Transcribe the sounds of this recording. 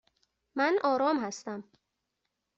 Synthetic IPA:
mænʔɒːɾɒːmhæst̪æm

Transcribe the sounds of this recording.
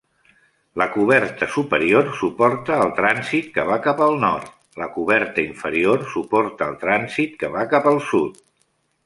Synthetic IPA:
ləkuβ̞ɛɾt̪əsupəɾiorsupɔɾt̪əːlˠt̪ɾanzit̪̚kəβakapəlˠnɔɾt̪ | ləkuβ̞ɛɾt̪əiɱfəɾiorsupɔɾt̪əːlˠt̪ɾanzit̪kəβakapəlˠsut̪

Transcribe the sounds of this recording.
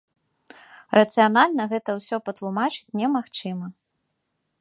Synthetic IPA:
rɐt̪sɨjanalʲnɐɣɛt̪ɐwsʲɔpɐt̪lˠumat͡ʂɨ̥t͡sʲnʲɛmaxt͡ʂɨmɐ

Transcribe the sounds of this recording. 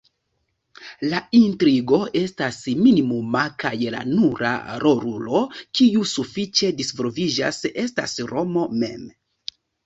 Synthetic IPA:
laintɾiɡo̞ʔe̞stasminimumakajla̰nuɾʔa̰ɾoɾulo̞kiusufit͡ʃe̞disvoɾvid͡ʒa̰sʔe̞sta̰sɾo̞mo̞me̞̰m

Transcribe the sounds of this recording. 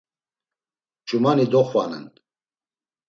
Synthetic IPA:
t͡ʃʰʼumanid̪ɔχvanɛ̰n

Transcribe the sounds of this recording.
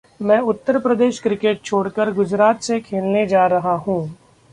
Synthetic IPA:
mɛ̃ːʊt̪ːəɾpɾəd̪eːʃkɾɪkeːʈ̚t͡ʃʰoːɽkəɾɡʊd͡ʒɾaːt̪sekʰeːlned͡ʒaːɾɐɦaɦũː

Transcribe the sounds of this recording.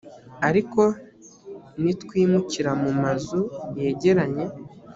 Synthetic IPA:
aɾiko̞ | nitkwiːmuciɾamumazuje̞ːɟe̞ɾaɲe̞

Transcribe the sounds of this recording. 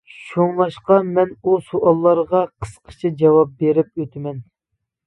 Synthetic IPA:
ʃoŋlˠɑʃqɑmɛnusoʔɑlˠːɑɾʁɑqʰə̥sqʰə̥t͡ʃʰid͡ʒɑwɑp̚beɾɪp̚øt̪ʰɪmɛn

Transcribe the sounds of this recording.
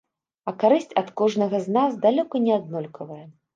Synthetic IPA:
ɐkaɾɨsʲt͡sʲɐt̪kɔʐnɐɣɐznazd̪alʲɔkɐnʲɛad̪nɔlʲkʰɐvɐjɐ

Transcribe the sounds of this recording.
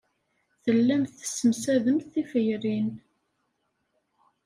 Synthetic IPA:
θəlːæmθə̥sːəmsæðəmθifəjrin

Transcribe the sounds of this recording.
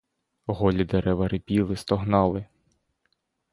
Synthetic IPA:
ɦɔlʲid̪eɾɛʋɐɾɪpʲilˠɪst̪ɔɦnɑlˠɪ

